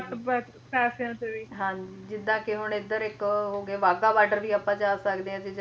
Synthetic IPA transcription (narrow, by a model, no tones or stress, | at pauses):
bɛt̪ | pɛːsãːt̪eʋiːɦãd͡ʒd͡ʒɪd̪ːãːkeɦʊɳɪd̪əɾɪkɦoːɡeːʋaːɡaːʋaːɖəɾʋiːapãːd͡ʒaːsəkd̪eːɦɛ̃ːd͡ʒed͡ʒ